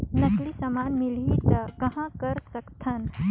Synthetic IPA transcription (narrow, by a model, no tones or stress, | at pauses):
nəklisɐmaːnmilɦit̪ɐkɐɦãkəɾsəkt̪ʰən